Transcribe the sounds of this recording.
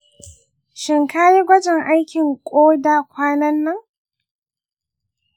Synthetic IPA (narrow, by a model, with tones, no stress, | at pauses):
ʃɪ˨ŋka˦ji˦ɡʷɐ˦d͡ʒɪ˨ŋʔa˦jkʲɪ˨ŋkʷʼoː˦daː˨kʷaː˦nɐ˦nːɐ˦ŋ